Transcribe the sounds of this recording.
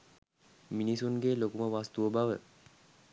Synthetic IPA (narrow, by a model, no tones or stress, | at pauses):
minisunɡelokuməʋast̪uʋəbaʋə̰